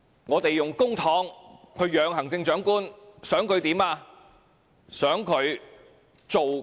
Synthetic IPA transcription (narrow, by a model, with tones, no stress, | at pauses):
ŋɔː˨˧t̪e˨jːʊ˨ŋkʊ˥ŋt̪ʰɔː˨˥ŋhʰɵ˨˧ɥjœː˨˧ŋɦɐ˨˩ŋt͡sɪ˧ŋt͡ʃœː˨˥ŋkuː˥nsœː˨˥ŋkʰɵ˨˧ɥt̪iː˨˥maː˧ | sœː˨˥ŋkʰɵ˨˧ɥ | t͡so˨w